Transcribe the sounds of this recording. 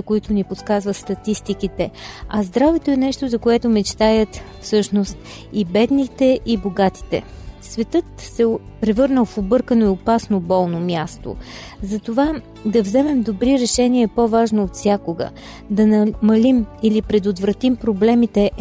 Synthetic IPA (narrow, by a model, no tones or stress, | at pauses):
koit̪ʊniposkazvəst̪ɐt̪ist̪ikit̪ɛɐzd̪ɾavɛt̪oɛnɛʃt̪ozɐkoɛt̪ʊmɛt͡ʃt̪ajət̪ | fsɤʃnost̪̚ | ibɛd̪nit̪ɛʔiboɡat̪i̥t̪ɛ̰ | svɛt̪ɤt̪sɛ | pɾɛvɤɾnəlˠfobɤɾkənoiopasnobɔlˠnomʲjast̪o̰ | zɐt̪ova | d̪ɐvzɛmɛmd̪obɾiɾɛʃɛniɛpovaʒnoːt̪fsʲjakoɡə̰ | d̪ɐnɐmɐlimilipɾɛd̪ot̪vɾɐt̪impɾoblɛmit̪ɛ